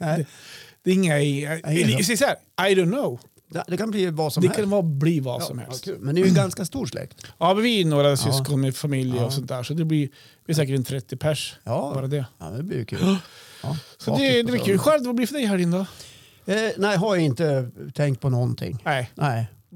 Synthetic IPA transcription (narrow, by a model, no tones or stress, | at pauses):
ɛd̪ɛɾɪŋːa | s̬ɛjəsaæːɾ | ajd̪ɔʊnnːoʊ | d̪ɛkʰanbliːvasɔmd̪ɛkʰanvɑːbliːva̰ɔ̰mhɛ̰lstʰʉːlmɛnd̪jɡanskast̪uːʂlɛ̰kt̪jɑːmnvɪnoːɾasʏskɔnmɛfamɪljəɔsɔnt̪d̪æːʂɔd̪ɛblɪɾ | vɪhæs̬ɛːkəʈɛnt̪ʰɾɛt̪ʰːɪpʰæʂɑːɾad̪ɛɑ̰d̪ɛblɪ̰kʰʉ̰ | sɔd̪ɛd̪ɛb̪ɪkʰːʉɧɛɾd̪vablɪfœɖɛjɦæɾɪnd̪a | næɪɦaɾjaɪnt̪ət̪ʰɛŋkt̪̚pʰɔnɔnt̪ʰɪ̰ŋːnæɪnɛɪ